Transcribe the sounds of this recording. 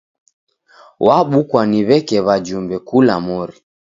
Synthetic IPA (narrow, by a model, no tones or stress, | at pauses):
waɓukwaniβɛkɛβad͡ʒumbɛkula̰mɔɾi